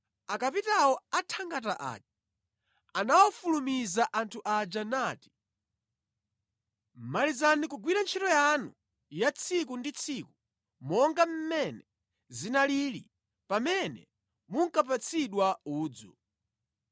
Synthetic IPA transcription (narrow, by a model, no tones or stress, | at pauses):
akapitawɔatʰaŋɡataʔa̰d͡ʒḁ | anawɔfulumizaʔantʰuʔad͡ʒanaːti̥ | malizanikuɡwiɾant͡ʃʰitɔjanṵ | jat͡sʰikundit͡sʰiku | mɔŋɡam̩mɛnɛ | zinalilḭ | pamɛnɛ̰ | muŋ̩kap̬at͡sʰiɗwauːd͡zu